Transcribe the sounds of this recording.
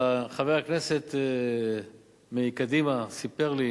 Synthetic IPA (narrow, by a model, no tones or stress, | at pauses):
χavejakneset̪ | mekad̪imasipeʁli